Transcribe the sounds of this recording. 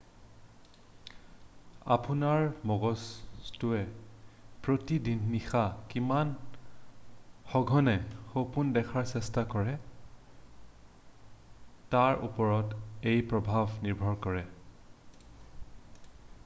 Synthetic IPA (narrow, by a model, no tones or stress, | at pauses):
a̰punaɹmɔɡɔstʊɛ | pɹotidinːixakiman | xɔɡʱɔnɛxopundɛkʰaɹsɛstakɔɹɛ | taɹʔṵpɔɹɔtejpɹɔbʱabniɹbʱɔɹkɔɹɛ